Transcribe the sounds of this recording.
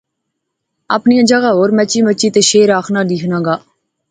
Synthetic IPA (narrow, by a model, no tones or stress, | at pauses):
a̰ːpnijãːd͡ʒəɡaːɦoːɾmət͡ʃːiːmət͡ʃːiːt̪eːʃeːɾaːkʰnaːliːkʰnãːɡaː